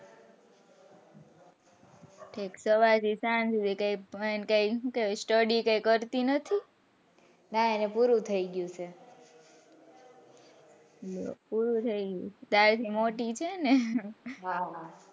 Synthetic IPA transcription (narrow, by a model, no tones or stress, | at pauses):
ʈʰiksəʋaɾt̪ʰisansud̪ʱikajenkajkesʈəɖikajkəɾt̪inət̪ʰi | naenepuɾũt̪ʰəiɡjũt͡ʃʰe | o̰puɾũt̪ʰəiɡjṵ̃t͡ʃʰed̪aɾt̪ʰimoʈit͡ʃʰeneɦaɦa